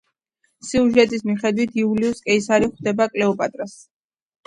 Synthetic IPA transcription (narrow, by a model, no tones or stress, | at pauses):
siuʒɛt̪ʼismiχɛd̪wit̪ʰiuliuskʼɛisaɾiχwd̪ɛbakʼlɛɔpʼat̪ʼɾas